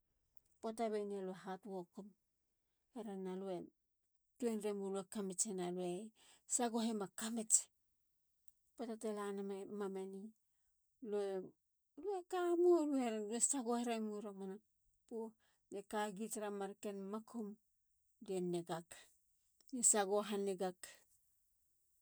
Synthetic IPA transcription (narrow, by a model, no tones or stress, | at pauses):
potaβeneloeɦatwokom | heɾanːalue | tuenɾemoluekamet͡ʃenaloesaɡoɦemakamet͡ʃe̥ | potatelanamemameni | loe | luekamuluheɾanluesaɡoheɾamuɾamana | pu | dekaɡitɾamaɾkenmakʰom | denːeɡak | nesaɡoɦaneɡak